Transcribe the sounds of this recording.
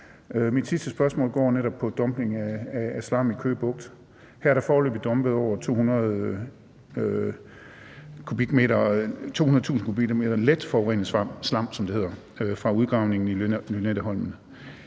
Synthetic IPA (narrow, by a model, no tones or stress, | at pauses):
ømid̥sisd̥əsb̥ɶɐsmɔ̰̽ːlɡ̥ɒ̰ːneɾɒ̽b̥̚pʰɒ̽d̥ɒ̽mb̥ne̝ŋæææslɑ̈mikʰø̰ːb̥ɔ̽ɡ̥̚d̥ | hæɐɐɾ̥ɑ̈fɒːlø̰ːb̥id̥ɒ̽mb̥əð̞̩ˠɒʊɐt͡sʰo̝̰ːhunɐðˠ | kʰub̥iɡ̥me̝̰ːɾɐt͡sʰo̝̰hunɐðˠt͡sṵːsn̩kʰub̥i̥me̝ːɾ̥ɐled̥fɒʊʁɛ̰nəð̩ˠsslɑ̈m̰sɒ̽md̥ehe̝ð̞̰ˠɐ | fʁɑ̈uð̞ˠɡ̥ʁɑ̈ʊne̝ŋn̩inyned̥əɦɒ̽l̰mn̩